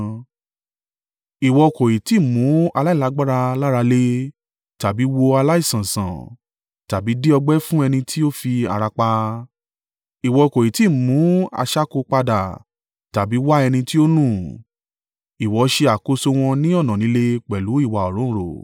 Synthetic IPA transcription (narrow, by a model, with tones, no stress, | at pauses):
i˨wɔ˧ko˨ji˨ti˨˦˨mũ˨˦a˧la˦i˦˨la˨˦ɡ͡ba˦ɾa˧la˦ɾa˧le˦ | ta˨bi˨˦wo˧a˧la˦i˦˨sã˨sã̰˨ | ta˨bi˨˦di˦ɔ˧ɡ͡bɛ˦fũ˦ɛ˧nĩ˧tʰi˦o˦fi˧a̰˧ɾa˧k͡pa˧ | i˨wɔ˧ko˨i˨ti˨˦˨mũ˨˦a̰˧ʃa˦ko˧k͡pa˧da̰˨ | ta˨bi˨˦wa˦ɛ˧nĩ˧ti˦o˦nũ˦˨ | i˨wɔ˨˦ʃe˧a˨ko˨˧so˧w̃ɔ̃˧nĩ˦ɔ˦˨nã˨nĩ˨˦le˦˧k͡pɛ˨lu˨˦i˦˨wa˨ɔ˨ɾ̃ũ˨˦˨ɾo̰˨